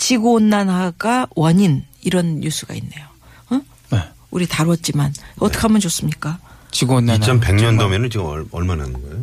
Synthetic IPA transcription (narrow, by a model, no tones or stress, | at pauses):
t͡ɕiɡonːanɦaɡawʌɲiniɾʌnɲusʰuɡa̰inːe̞jo | ɯ | ne | uɾitaɾwʌt̚t͡ɕ͈imanʌt͈ʌkʰamʌnt͡ɕos͈ɯmɲik͈at͡ɕiɡonːanʰʌmpe̞ŋɲʌndʌmenɯnt͡ɕɡʌɭmananɯnɡʌjo